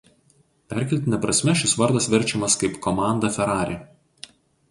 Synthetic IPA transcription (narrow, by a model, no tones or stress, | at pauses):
pʲæɾʲkʲɛlʲt̪ʲɪnʲɛpɾɐsʲmʲɛʃʲɪsʋɐɾd̪ɐsʋʲɪɾʲˑt͡ʃʲɛmɐskɐɪpkɔmɑˑnd̪ɐfʲɛɾɑːɾʲe